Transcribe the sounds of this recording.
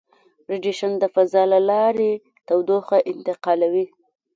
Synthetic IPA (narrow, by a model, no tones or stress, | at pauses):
pɾɪd͡ʒiʃand̪əfazɑlalɑɾe | t̪awd̪oxaʔɪnt̪ɪqɑlawi